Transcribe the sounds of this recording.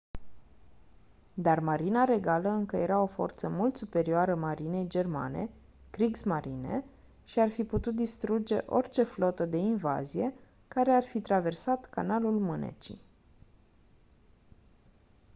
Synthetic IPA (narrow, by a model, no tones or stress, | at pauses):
d̪armaɾinaɾe̞ɡaləɨŋkəje̞ɾao̞fo̞̰rt̪səmult̪supe̞ɾioaɾəmaɾine̞jd͡ʒe̞rma̰ne̞̰ | kɾiɡsmaɾine̞̰ | ʃiarfiput̪ut̪̚d̪ist̪ɾud͡ʒe̞̰ʔo̞rt͡ʃe̞flo̞t̪əd̪e̞inva̰zije̞ | kaɾe̞arfit̪ɾave̞rsat̪ka̰nalulmɨnḛt͡ʃḭ